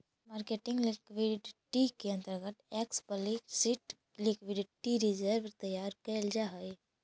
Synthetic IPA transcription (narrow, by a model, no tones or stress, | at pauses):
maːɾkeːʈɪ̃ŋɡlɪkwiɖʈikeə̃nt̪əɾɡət̪eːkspəlisiʈ | lɪkwɪɖʈiɾid͡ʒəɾʋɾt̪əjaːɾkeld͡ʒaɦai